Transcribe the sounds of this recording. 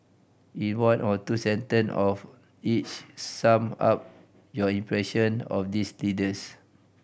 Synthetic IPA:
ĩnwãnɔtusɛ̃ntə̃nɔf | it͡ʃsãma̰p̚ | jɔĩmpɹɛʃə̃nɔ̰fdislidəs

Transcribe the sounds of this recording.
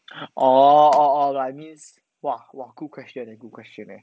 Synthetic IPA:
ʔɔɔɔlɹamĩnz | wawaɡ̥ud̚kʰwɛst͡ʃə̃nɛɡud̚kʰw̥ɛst͡ʃə̃nɛ̰

